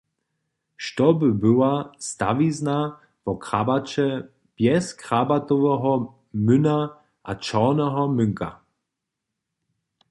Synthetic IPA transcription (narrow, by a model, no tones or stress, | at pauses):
ʃtɔbɪbɘwasta̰vizna | vɔkʁabat͡ʃɛ | b̥jɛskʁabat̪ɔvɛɦɔ | mɵna | ʔat͡ʃɔnɛɦɔmʏŋka̰